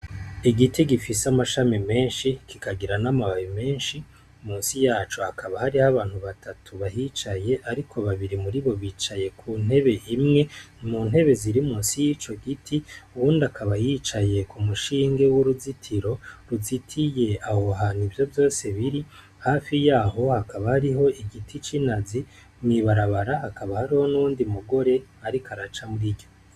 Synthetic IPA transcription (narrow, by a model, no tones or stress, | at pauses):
iɡitiɡifisamaʃamime̞ːnʃikikaɡiɾanamaβaβime̞ːnʃi | muːnsijaːt͡ʃo̞akaβahaɾihaβaːn̥huβatʰatʰuβahiːt͡ʃajeʔaɾikʰoβaβiɾimuɾiβo̞βit͡ʃaje̞kʰuːn̥he̞βe̞ʔimŋe̞muːn̥ɦe̞βe̞ziɾimuːnsijit͡ʃo̞ɡitʰiuwuːndakʰaβajiːt͡ʃaje̞kumuʃiːŋɡe̞woɾuzitʰiɾo̞ɾuzitʰije̞ahoɦanivjo̞vjo̞ːse̞βiɾi | haːfijaːho̞hakaβahaɾiɦo̞ʔiɡitʰit͡ʃinazi | miβaɾaβaɾahakaβahaɾiho̞nuuːndimuɡo̞ɾe̞aɾikaɾat͡ʃamuɾiɟo̞